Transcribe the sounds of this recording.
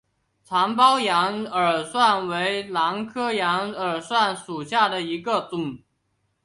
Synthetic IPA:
t͡sʰɑ˧˥ŋpɑ˥ʊjɑ˧˥ŋə˞˨˩swa˥˩nwe˧˥ɪlɑ˧˥ŋkʰɤ˥jɑ˧˥ŋə˞˨˩swa˥˩nʂu˨˩ɕja˥˩d̪ə˩i˧˥ɡə˧t̪ʊ˨˩˦ŋ

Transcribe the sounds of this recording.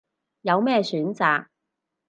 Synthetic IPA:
jɐ˨˧wmɛː˥˩syː˨˥nt͡sa̰ː˨k̚

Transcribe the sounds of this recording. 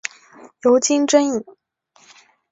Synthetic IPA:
jo˧˥ʊt͡ɕi˥ŋʈ͡ʂə˥ni˨˩ŋ

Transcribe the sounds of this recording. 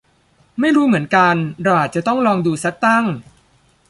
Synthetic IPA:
ma˥˩jɾuː˦˥mɯ˩˦ənka˧nɾa˧˩ʔaː˨˩t̪̚t͡ɕa˨˩t̪ɔ˥˩ŋɾɔː˧ŋduː˧sa˦˥k̚t̪a˥˩ŋ

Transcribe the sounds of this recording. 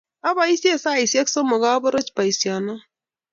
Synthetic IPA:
a˦ba˨i˦si˦e˦˨sa˦˨i˨si˦a˦kso˦mo˨ɡa˦bo˦ɾo˦t͡ʃpa˨i˨si˨a˨na˦

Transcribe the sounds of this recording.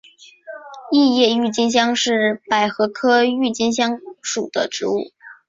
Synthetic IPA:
i˥˧jɛ˥˧y˥˩t͡ɕi˥nɕ̬jɑ˥ŋʂɻ̩˥˩pa˨˩ɪxɤ˧˥kʰɤ˥y˥˩t͡ɕi˥nɕ̬jɑ˥ŋʂu˨˩d̪̥ə˦ʈ͡ʂɻ̩˧˥u˥˩

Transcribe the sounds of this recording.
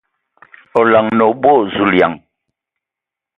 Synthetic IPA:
ɔ˨la˨ŋnɔ˨bwo˦˨zu˦˨lja̰˨ŋ

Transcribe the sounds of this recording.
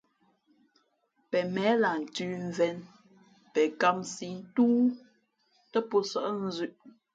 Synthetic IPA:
pɛ˨mɛ˨˦la˨n̩˨tʉː˦ɱ˨vɛ˨˦n | pɛ˨ka˦msi˨˦n̩˦tuː˦ | tə˦po˦sə˦˨ʔn̩˦zʉ˦ʔ

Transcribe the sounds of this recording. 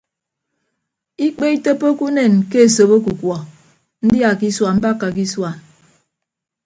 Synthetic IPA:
i˦k͡pe˦i˦to˦pːo˦ku˦ne˨nke˦e˨so˨bo˦ku˨kwɔ˨ | n̩˦dja˨ki˦swa˨m̩˦ba˦kːa˨ki˦swa˨n

